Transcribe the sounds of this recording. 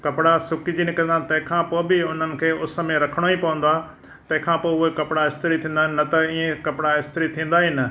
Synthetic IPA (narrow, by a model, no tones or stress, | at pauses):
kɐpɪɽasʊkɪd͡ʑinɪkə̃nd̪aːt̪ɐ̃ɦɪ̃kʰãːpoːbɪʊn̤ənɪ̆kʰeːʊs̆mẽɾɐkʰəɽ̃oipɐʋə̃nd̪oaː | t̪ɐ̃ɦɪ̃kʰãːpoːʊɦekɐpɪɽaɪst̪ɪɾit̪ʰĩːnd̪aːɦɪ̃nɪːɐt̪ɐiːẽkɐpɪɽaɪst̪ɾit̪ʰĩːn̆d̪aːɦɪnɪ̆